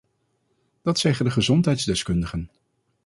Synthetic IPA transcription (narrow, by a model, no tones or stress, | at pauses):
d̥ɑtsɛχəndəχəzɔntɦɛjtzdɛskɵndəχən